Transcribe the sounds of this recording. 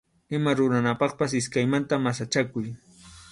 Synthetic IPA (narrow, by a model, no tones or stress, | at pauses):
ɪmaɾʊɾanapɑχpasɪskajmant̪amasat͡ʃakʊj